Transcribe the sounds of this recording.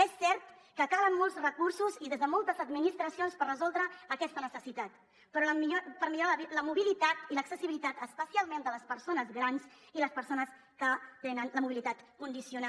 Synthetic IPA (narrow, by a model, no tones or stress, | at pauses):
ɛsːɛɾt̪kəkalənmolˠzrəkuɾsuziðezðəmɔlˠt̪əzəd̪minist̪ɾəsionspərrəzɔlˠd̪ɾəːkɛst̪ənəsəsit̪at̪ | pɾɔləipəɾmiʎoiləmuβilit̪at̪iləksəsiβilit̪at̪əspəsialˠmend̪ələspəɾsonəzɣɾans | iləspəɾsonəs | kət̪enənləmuβilit̪at̪kund̪isiuna